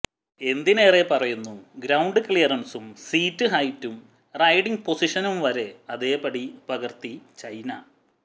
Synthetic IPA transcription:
e̞nd̪ine̞ːre̞pɐrɐjunːuɡɾɐwɳɖɨklijɐrɐnsumsiːtːɨɦɐjtːum | rɐjɽiŋɡpo̞siʂɐnumʋɐɾe̞ɐðe̞ːpɐɽipɐɣɐrt̪it͡ɕɐjnɐ

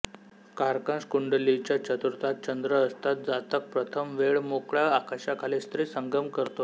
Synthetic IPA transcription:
kaɾkãskuɳɖəlit͡ɕjat͡ɕət̪uɾt̪at̪̚t͡ɕənd̪ɾəːst̪at̪̚d͡zat̪ək̚pɾət̪ʰəmʋeɭmokɭaːkaɕakʰalest̪ɾisəŋɡəmkəɾt̪o

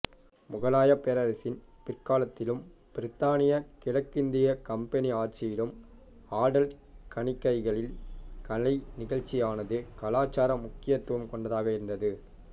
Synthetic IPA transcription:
mʊɣɐlaːjɐpɛɾɐɾɪsɪn | pɪrkaːlɐt̪ːɪlɯm | pɪɾɪt̪ːaːnɪjɐkɪɽɐkːɪnd̪ɪjɐkɐmpɛniaːʈ̚t͡ʃːɪjɪlɯm | aːɽɐl | kɐɳɪkːɐɪɣɐɭɪlkɐlɐɪnɪɣɐɻt͡ʃːɪjaːnɐðɯkɐlaːt͡ʃːaːɾɐmʊkːɪjɐt̪ːɯʋɐmkɔɳɖɐðaːɣɐɪɾɯnd̪ɐðɯ

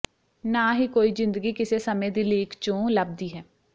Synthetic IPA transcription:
naːɦiːkoːiːzɪ̃nd̪əɡiːkɪseːsəmẽːd̪iːleːkʰt͡ʃõːləb̚d̪iːɦɛː

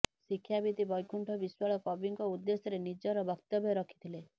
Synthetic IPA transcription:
sikʰːjabit̪ibɔjkuɳʈʰɔbiswaɭɔkɔbiŋkɔud̪ːesɔɾenid͡ʒɔɾɔbɔkt̪ɔbʱjɔɾɔkʰi̥t̪ʰile

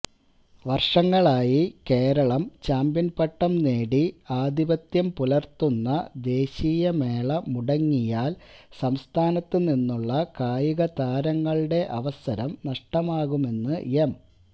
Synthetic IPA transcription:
ʋɐrʂɐŋːɐɭaːjike̞ːɾɐɭɐmt͡ɕaːmbinpɐʈːɐmneːɽiaːd̪ibɐt̪jɐmpulɐrt̪ːunːɐd̪e̞ːɕiːjɐme̞ːɭɐmuɽɐŋːijaːlsɐmst̪ʰaːnɐt̪ːɨninːuɭːɐkaːjiɣɐt̪aːɾɐŋːɐɭɨɽe̞ʔɐʋɐsɐɾɐmnɐʂʈɐmaːɣume̞nːɨjem

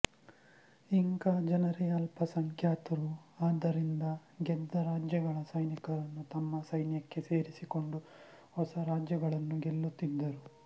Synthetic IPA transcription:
iŋɡad͡ʒɐnɐɾeɐlpʰɐsɐŋkʰjaːt̪ɐɾuaːd̪ːɐɾind̪ɐɡɛd̪ːɐɾaːd͡ʒjɐɡɐɭɐsɐjnikɐɾɐnːut̪ɐmːɐsɐjnjɐkːe̞se̞ːɾisiko̞ɳɖu | hɔsɐɾaːd͡ʒjɐɡɐɭɐnːuɡelːut̪ːid̪ːɐɾu

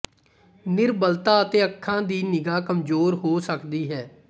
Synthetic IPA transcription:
nɪɾbəlt̪aːət̪eːəkʰːãːd̪iːnɪɡaːkəmzoːɾɦoːsəkd̪iːɦɛː

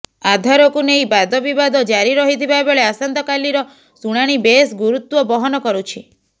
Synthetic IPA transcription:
ad̪ʱaɾɔkunejbad̪ɔbibad̪ɔd͡ʒaɾiɾɔɦit̪ʰibabeɭeasant̪ɔkaliɾɔ | suɽ̃aɽ̃ibesɡuɾut̪wɔbɔɦɔnɔkɔɾut͡ʃʰi

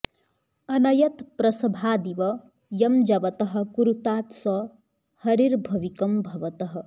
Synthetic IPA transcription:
ɐnɐjɐt̪pɾɐsɐbʱaːd̪iʋɐ | jɐmd͡ʒɐʋɐt̪ɐɦɐ̆kuɾut̪aːt̪sɐ | hɐɾiɾbʱɐʋikɐmbʱɐʋɐt̪ɐɦɐ̆

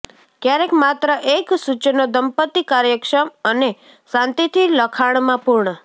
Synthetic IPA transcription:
kjaɾekmat̪ɾəʔeksut͡ʃnod̪əmpət̪ːikaɾjəkʂəməne | sãnt̪it̪ʰiləkʰaɳ̃mãpuɾɳə

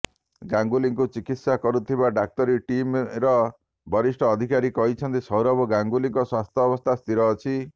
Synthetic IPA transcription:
ɡaŋɡuliŋkut͡ʃikit̪sakɔɾut̪ʰibaɖak̚t̪ɔɾiʈimɾɔ | bʱɔɾisʈʰɔːd̪ʱikaɾikɔɦit͡ʃʰɔnt̪isɔwɾɔbɔɡaŋɡuliŋkɔswast̪ʰjɔːbɔst̪ʰast̪ʰiɾɔːt͡ʃʰi

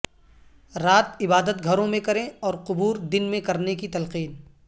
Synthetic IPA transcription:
ɾaːt̪ɪbaːd̪ət̪ɡʱɐɾõmẽkɐɾẽɔːɾqʊbuːɾd̪ɪnmẽkɐɾnekit̪ɐlqiːn

